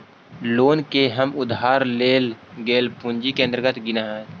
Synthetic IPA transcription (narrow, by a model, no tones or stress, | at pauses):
loːnkeɦəmʊd̪ɦaːɾleːlɡeːlpʊ̃nd͡ʒikeənd̪əɾɡət̪ɡɪnaɦɛ̃ː